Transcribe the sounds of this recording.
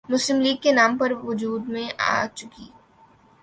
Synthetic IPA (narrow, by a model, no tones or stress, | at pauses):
mʊslɪmliːɡ̚kenaːmpɐɾʋʊd͡ʒuːd̪mẽʔa̰ːt͡ʃʊkiː